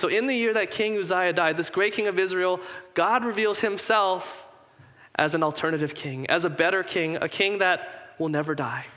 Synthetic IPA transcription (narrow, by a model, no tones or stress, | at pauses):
soʊɨ̃nðɨjɪɹðɨt̚kʰɪ̃ŋʉzaɪɨdaɪd̪̚ðɪsɡ̥ɹeɪt̚kʰɪ̃ŋʌvɪzɹil̩ˠɡ̥ɑd̚ɹɨvilˠz̥hɨ̃msɛlˠf | ʔɨz̃n̩l̩ˠtʰɜ˞nɨɾɨv̥kʰɪ̃ŋɨ̰zəbɛɾə˞kʰɪ̃ŋɨ̰kʰɪ̃ŋðɨt̚wəlˠnɛvə˞daɪ